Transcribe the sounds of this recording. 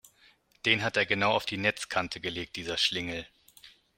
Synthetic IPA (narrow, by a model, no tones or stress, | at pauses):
d̥eːnɦateːɐɡənaʊaʊfd̥iːnɛt͡skʰantʰəɡəleːk̚t̚d̥iːzɐʃlɪŋl̩